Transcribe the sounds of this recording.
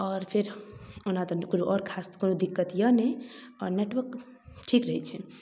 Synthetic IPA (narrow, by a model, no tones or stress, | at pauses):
ɔːɾpʰeɾonat̪ɔkonoʔɔɾkʰaskonod̪ikːət̪jəne | ɔ̰ɾneʈʋəɾk | ʈʰikɾəɦɛt͡ʃʰɛ